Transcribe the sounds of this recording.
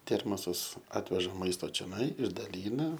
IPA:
ˈtʲɛrmoːsɐs ˈɑːtʲʋʲɛʒɐ ˈmɐɪstoː t͡ʃʲoːˈnɐɪ ɪʒdɐˈlʲiːnɐ

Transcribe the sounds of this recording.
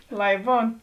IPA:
ˈlˠɐɪ ˈbuːn

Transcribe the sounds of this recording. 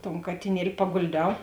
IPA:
toːn kɐtʲɪˈnʲiɛlʲɪ pɐɡoːlʲˈdʲɛʊ

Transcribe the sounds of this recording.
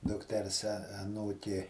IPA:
dʊkˈtʲɛrs ɐˈnuːkʲeː

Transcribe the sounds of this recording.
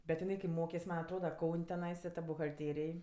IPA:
bʲɛt jɪˈnɐɪ kɐɪ ˈmoːkʲɛs ˈmɐnʲ ɐtˈroːdɐ ˈkɐʊnʲ tʲɛˈnɐɪsɐ tɐ bʊɣɐlʲˈtʲeːrʲeːj

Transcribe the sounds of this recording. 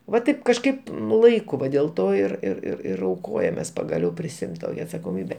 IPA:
ʋɐ ˈtɐɪp kɐʃˈkɐɪp nʊ ˈlˠɐɪkʊ ˈʋɐ dʲeːlˠ ˈtoː ɪr ɪr ɪr ɪr ɐʊˈkoːjɛmʲeːs pɐɡɐˈlʲɛʊ pʲrʲɪsʲɪˈɪmt ˈtoːkʲɛ ɐtsɐkoːˈmʲiːbʲɛ

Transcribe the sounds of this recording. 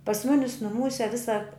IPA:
pɐs ˈmʊnʲɪs nʊˈmuːsʲɛ ˈʋʲɪsɐ

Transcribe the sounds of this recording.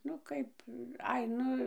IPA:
ˈnʊ ˈkɐɪp ˈɐɪ ˈnʊ

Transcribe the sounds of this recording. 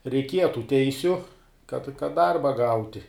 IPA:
rʲɛɪkʲˈiɛjɛ tuː ˈtʲɛɪsʲʊ kɐt kɐt ˈdɐrbɐ ˈɡɐʊtʲɪ

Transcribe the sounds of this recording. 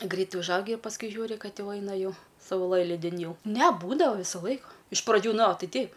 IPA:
ˈɡrʲɛɪt ʊʒˈɐʊɡʲɪ ɪr pɐsˈkʊɪ ˈʒʲuːrʲɪ ˈkɐt ˈjɛʊ ˈɐɪnɐ ˈjɛʊ sɐʊˈlˠɘlʲiːdʲɪn ˈjɛʊ nʲɛ ˈbuːdɐʋɐ ˈʋʲiːsoː ˈlˠɐɪkoː ɪʃ prɐˈd͡ʒʲuː ˈnoːˈtʲɛɪ ˈtʲɛɪp

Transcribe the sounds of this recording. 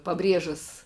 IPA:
pɐˈbʲrʲiɛʒɐs

